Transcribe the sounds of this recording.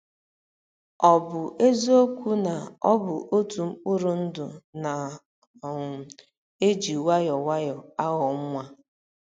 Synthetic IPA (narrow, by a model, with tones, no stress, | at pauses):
ɔ˨bʊ˨ʔe˦zo˦kʷu˦na˨ɔ˦bʊ˨ʔo˦tu˨m̩˦k͡pʊ˦ɾʊ˨n̩˦dʊ˨na˨ | e˦d͡ʒi˨wa˦jɔ˨wa˦jɔ˨a˦ɣɔ˨ŋ̩˦ŋʷa˦